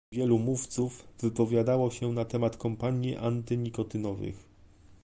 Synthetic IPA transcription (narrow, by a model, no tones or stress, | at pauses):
vʲjɛlumuft̪sufvɘpɔvʲjad̪awɔɕɛnat̪ɛmat̪kɔmpaɲjiʔant̪ɘɲikɔt̪ɘnɔvɘ̰x